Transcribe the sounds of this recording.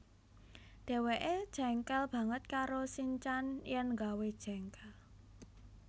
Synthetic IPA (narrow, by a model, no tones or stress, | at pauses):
ɖ̪̥ɛ̤weʔed̥ʒ̥ɛ̤ŋkɛlb̥ä̤ŋət̪̚kaɾosiɲt͡ʃanjənŋɡawed̥ʒ̥ɛŋkɛl